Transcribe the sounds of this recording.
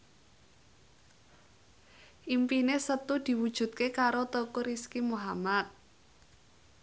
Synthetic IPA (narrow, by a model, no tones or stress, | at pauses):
ʔimpinesət̪ud̪̥i̤wud̥ʒ̥ṳt̪̚kekaɾot̪okoɾiskimuɦamat̪̚